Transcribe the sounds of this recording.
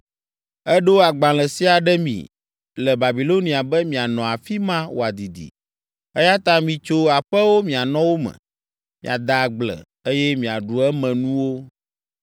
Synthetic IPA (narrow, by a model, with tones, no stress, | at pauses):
ɛ˦ɖo˦a˨ɡ͡bã˨lɛ˨si˦a˨ɖɛ˦mḭ̃˨ | lɛ˨ba˨bi˨lo˦nĩ˨a˨bɛ˦mĩ˨a˨nɔ̃˨a˨fi˦mã˦wo̰˨a˨d̪i˨d̪ḭ˨ | ɛ˦ja˦t̪ã˦mĩ˨t͡ʃo˦a˨ɸɛ˦wo˦mĩ˨a˨nɔ̃˦wo˦mɛ̰̃˨ | mḭ̃˨a̰˨d̪a˨ɡ͡blɛ̰˨ | e˦jɛ˦mĩ˨a˨ɖu˨ɛ˦mɛ̃˨nũ˦wo˦